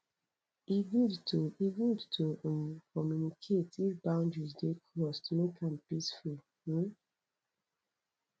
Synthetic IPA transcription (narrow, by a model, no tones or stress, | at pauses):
iɡudtuiɡudtʰunkɔmjunikʰetifbãʊ̃ndɹisdekʰɹɔstmekʰãnpisfu